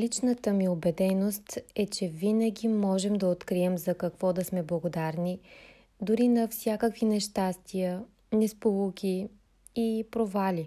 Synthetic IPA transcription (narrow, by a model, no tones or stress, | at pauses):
lit͡ʃnət̪əmiobɛd̪ɛnost̪ɛt͡ʃɛvinəɡʲimɔʒɛmd̪ɐot̪kɾiɛmzɐkɐkvɔd̪ɐsmɛblˠɐɡod̪aɾni | d̪ʊɾinɐfsʲjakəkvinɛʃt̪ast̪ijə | nɛspolˠukʲi | ipɾovalʲi